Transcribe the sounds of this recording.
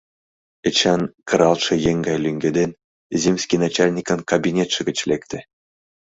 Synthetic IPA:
ɘ̆t͡ɕɑnkɤ̆ɾɑlˠʂɤ̆jeŋɡɑjlʲyŋʲɡʲĕd̪enʲ | zʲemʲsʲkʲinat͡ɕalʲnʲikɤ̆nkabʲinʲet̪ʂɘ̆ɡʲɘ̆t͡ɕlʲekt̪ʲɘ̆

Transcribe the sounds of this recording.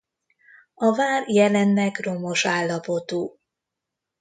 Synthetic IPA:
ɒvaːrjɛlɛnːɛɡro̞mo̞ʃaːlːɒpo̞t̪uː

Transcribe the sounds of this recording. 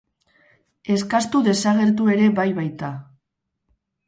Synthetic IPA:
e̞skast̪uðe̞saɣ̞e̞ɾt̪̬ue̞ɾe̞βajβajt̪a

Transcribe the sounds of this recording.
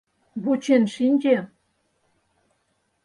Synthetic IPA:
βut͡ɕenʃinʲd͡ʑe

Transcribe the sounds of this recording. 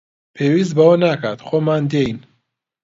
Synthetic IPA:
pʰewizbaɔnakʰat̪χɔmand̪ein

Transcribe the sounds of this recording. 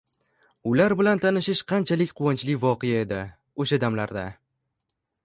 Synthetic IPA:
ʊlaɾbɪlant̪ʰanɪʃɪʃqʰɑnt͡ʃʰalɪkʲqʰʊwɒnt͡ʃlɪvɒqejae̞d̪ɪ | oʃad̪amla̰ɾd̪a̰

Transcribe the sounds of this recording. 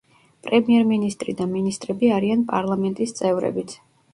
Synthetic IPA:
pʼɾɛmiɛɾminist̪ʼɾid̪aminist̪ʼɾɛbiaɾianpʼa̰ɾlˠamɛnt̪ʼist̪sʼɛvɾɛ̰bit̪sʰ

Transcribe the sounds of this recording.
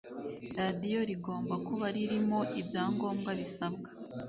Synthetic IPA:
ɾadijo̞ɾiɡo̞ːmbakuβaɾiɾimo̞ʔibjaːŋɡo̞ːmɡaβisabɡḁ

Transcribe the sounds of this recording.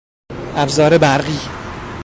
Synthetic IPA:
ʔæbzɒːɾebæɾɢiː

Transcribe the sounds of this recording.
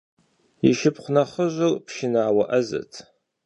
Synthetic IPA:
iʃɪpʰχʷnɐχəʒʷɨlpʰʃɪnaːwaʔɐzɐ̰tʰ

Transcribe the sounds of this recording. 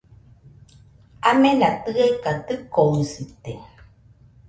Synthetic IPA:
amelat̪ɨekat̪ɨkoisɨt̪e

